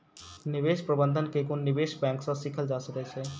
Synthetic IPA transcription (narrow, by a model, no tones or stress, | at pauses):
nibeʃpɾəbənd̪ʱənkekonːibeʃbɛ̃ŋksɔ̃sikʰəld͡ʒasəkɛt͡ʃʰɛ